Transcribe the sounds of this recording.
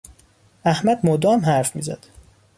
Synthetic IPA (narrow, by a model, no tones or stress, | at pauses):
æhmæd̪mod̪ɒːmhæɾfmḭːzæ̰d̪̥